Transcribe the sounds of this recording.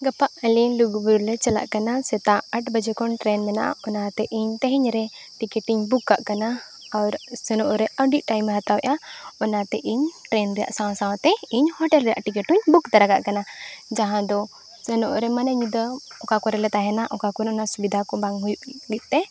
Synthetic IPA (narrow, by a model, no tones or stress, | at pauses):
ɡəpaʔəliluɡubuɾuɾlɛt͡ʃɛla̰ʔkanasɛt̪aəʈbəd͡ʒɛkɔnʈɾɛnmɛna̰ʔa̰ɔnat̪ɛʔiɲt̪ɛɦɛɲɾɛ | ʈikɛʈiɲbukːa̰ʔkanaː | wɾsɛnɔʔɾɛəɖiʔ̪̚ˀʈajmɛɦat̪awɛʔaɔnat̪ɛʔiɲʈɾɛnɾɛja̰ʔsaw̃sãw̃t̪ɛiɲhɔʈɛlɾɛja̰ʔʈikɛʈuɲbukt̪aɾaɡaʔkanad͡ʒaɦãd̪ɔ | sənɔʔɾɛmanaɲd̪əɔkakɔɾɛlɛt̪aɦɛnaʔɔkakɔɾɛɔnasubid̪ʱakɔbaŋɦujuʔlit̪̚ˀt̪ɛ